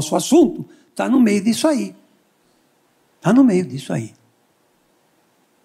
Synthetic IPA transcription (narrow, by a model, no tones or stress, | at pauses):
ɔsʊasũnt̪ʊ | t̪anʊmejʊd̪isʊai | t̪anʊmejʊd̪isʊa̰i